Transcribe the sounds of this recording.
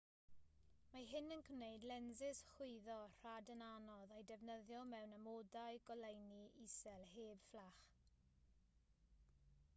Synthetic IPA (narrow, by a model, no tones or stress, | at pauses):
maɦɪnənkʰmnejdlɛnzɪsχʊɨðɔr̥adənanɔðajdɛvnəðjɔmɛwnamodajɡɔlejniisɛlˠheːb̥flaχ